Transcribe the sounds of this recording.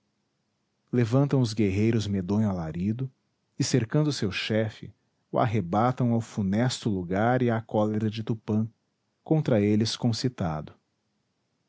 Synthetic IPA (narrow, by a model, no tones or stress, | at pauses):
levɐ̃nt̪ɐ̃w̃ʊzɡeɦejɾʊzmed̪õɲʊalaɾid̪ʊ | ɪseɾkɐ̃nd̪ʊsewʃɛfɪ̰ | ʊʔa̰ɦebat̪ɐ̃w̃awfunɛst̪ʊluɡaɾɪakɔleɾɐd͡ʒɪt̪upɐ̃ | kõnt̪ɾɐelɪskõsit̪a̰d̪ʊ